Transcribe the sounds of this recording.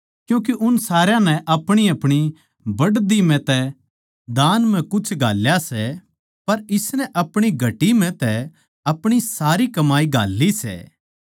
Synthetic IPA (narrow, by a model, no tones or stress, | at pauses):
kjũːk̬eʔʊnsaːɾjãnɛʔɐpɽ̃iɐpɽ̃i | bɐɽd̪im̤ɛ̃t̪ɛ | d̪aːnm̤ɛ̃kʊt͡ʃʰɡʱa̰ːljasɛ | pɐɾɪsnɛʔɐpɽ̃iɡʱɐʈim̤ɛ̃t̪ɛ | ɐpɽ̃isaːɾikɐmaːiɡʱa̰ːlːisɛ̰ː